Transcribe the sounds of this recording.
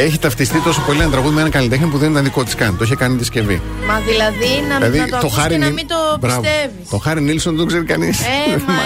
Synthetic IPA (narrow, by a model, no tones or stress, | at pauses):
eçit̪ɐft̪ist̪it̪o̞sopo̞lienɐt̪ɾɐɣuðimeenɐkɐlit̪exnip̬uðenit̪ɐnðiko̞t̪i̥skɐnt̪oiçekɐniðiɐsce̞vḭ | mɐðilɐðinɐilɐðit̪oxɐɾinɐimit̪obɾɐvoevit̪oxɐɾinilsond̪oɡze̞ɾikɐnis